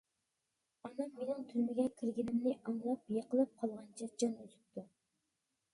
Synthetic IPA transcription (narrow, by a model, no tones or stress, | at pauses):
ɑnɑŋmenɪŋt̪ʰyɾmɪɡʲɛkʲʰiɾɡʲinɪmnɪʔɑŋlˠɑp̚jeqʰəlˠɨp̚qʰɑlˠʁɑnt͡ʃʰɑd͡ʒɑnøzyp̚t̪ʰu